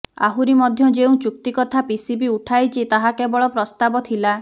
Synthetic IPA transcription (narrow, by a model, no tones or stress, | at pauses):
a̰ɦuɾimɔd̪ʱjɔd͡ʒeũt͡ʃuk̚t̪ikɔt̪ʰapisibiuʈʰajt͡ʃʰit̪aɦakebɔɭɔpɾɔst̪abɔt̪ʰila